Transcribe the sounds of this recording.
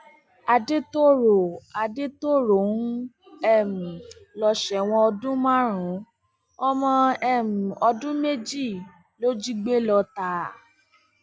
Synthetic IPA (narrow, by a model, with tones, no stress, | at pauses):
a˧de˦to˦ɾo˨a˨˧de˦to˦˨ɾo˨˦n̩˦ | ɛ˦˨m̩̃˨lɔ˧ʃɛ˨w̃ɔ̃˧ɔ˧dũ˦mã˦ɾ̃ũ˨˦ | ɔ˧mɔ̃˧ɛ˦˨m̩˨ɔ˧dũ˦me˦d͡ʒi˦˨ | lo˦d͡ʒi˦ɡ͡be˦lɔ˧ta˧˨